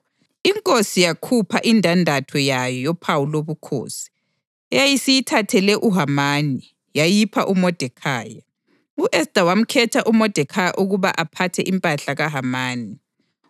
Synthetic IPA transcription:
iŋkʼosijakʰupʰaʔindʱandʱatʰɔjajɔjopʰawuloβukʰo̰ːsi̥ | ɛjajisijitʰatʰɛlɛʔuɦamaːni | jajipʰa̰ʔumɔd̥ʱɛkʰaːja | uʔɛsd̥ʱawam̩kʰɛtʰaʔumɔd̥ʱɛkʰajaʔuɣuβaʔapʰatʰɛʔimpʼaɬaɣaɦamaːni

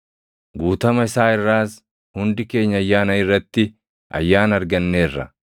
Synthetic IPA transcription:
ɡuːt̪ɐmɐɪsaːɪrːaːs | hʊnd̪ɪke̞ːɲːɐɐjːaːnɐɪrːɐt̪ːɪ | ʔɐ̰jːaːnɐɾɡɐnːe̞ːrːɐ̰

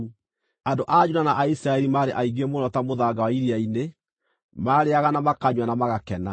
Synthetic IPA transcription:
andoʔad͡ʒuɾanaʔaisɾaɛɾimaːɾeʔaiɣemonɔtamoðaɡawaiɾiaine | maɾeaɣanamakaɲwanamaɣakɛna

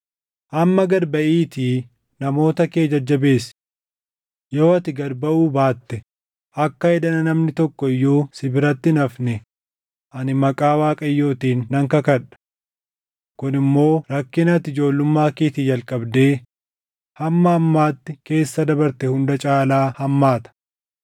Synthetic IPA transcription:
ʔɐmːɐɡɐɾbɐʔiːt̪iː | nɐmo̞ːt̪ɐke̞ːd͡ʒɐd͡ʒːɐbe̞ːs | jo̞ːɐt̪ɪɡɐɾbɐʔuːbaːt̪ːɛ | ʔɐkːɐɛd̪ɐnɐnɐmnɪt̪ɔkːɔɪjːuːsɪbɪɾɐt̪ːɪɪnɐfnɛ | ʔɐnɪmɐkʼaːwaːkʼɐjːoːt̪iːnːɐŋkɐkɐᶑɐ̥ | kʊnɪmːo̞ːɾɐkːɪnɐt̪ɪd͡ʒo̞ːlːʊmːaːkeːt̪ɪd͡ʒɐlkʼɐbd̪e̞ː | hɐmːɐɐmːaːt̪ːɪke̞ːsːɐd̪ɐbɐɾt̪ɛhʊnd̪ɐt͡ʃʼaːlaːhɐmːaːt̪ɐ̥

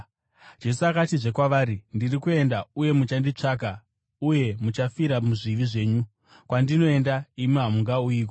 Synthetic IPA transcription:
d͡ʒe̞suakatiʐe̞kwaʋaːɾindirikue̞ndauje̞mut͡ʃandit͡ʂak̬a | uje̞mut͡ʃafiɾamuʐiʋiʐe̞ːɲu | kwandino̞e̞ndaimiɦamuŋɡauiːk̬o

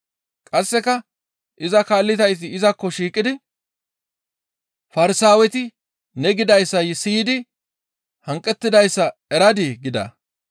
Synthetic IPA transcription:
kʼɐsːɛkɐ | ʔɪzɐkaːlːɪt̪ɐjs̬ɪɪzɐkːɔʃiːkʼːɪd̪ɪ | fɐɾɪsaːwɛt̪ɪ | nɛɡɪd̪ɐjsːɐjsiːd̪ɪ | hɐŋkʼːɛt̪ːɪd̪ɐjsːɐɛɾɐd̪ɪɡɪd̪ɐ̰

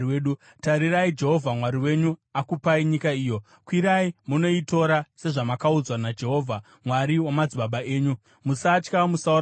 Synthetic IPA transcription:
eɗu | taɾiraid͡ʒe̞ɦo̞vʱamwaɾiwe̞ɲuakupaiɲikaiːjo̞ | kwiɾaimuno̞ito̞ɾase̞ʐamakaud͡zwanad͡ʒe̞ɦo̞ːvʱa | mwaɾiwamad͡ziɓaɓaeːɲu | musat͡ʃkamusau

